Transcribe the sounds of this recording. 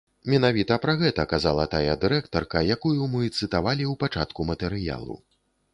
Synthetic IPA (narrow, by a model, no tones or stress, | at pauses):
mʲɛnavʲit̪ɐpɾɐɣɛt̪ɐkazalˠɐt̪ajɐd̪ɨɾɛkt̪ɐrkɐjakujumɨt̪sɨt̪avalʲiwpat͡ʂat̪kumɐt̪ɛɾɨja̰lˠṵ